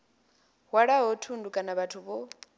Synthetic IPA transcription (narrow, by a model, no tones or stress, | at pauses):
ɦwaɺaɦɔtʰundukʼanaβatʰuβɔ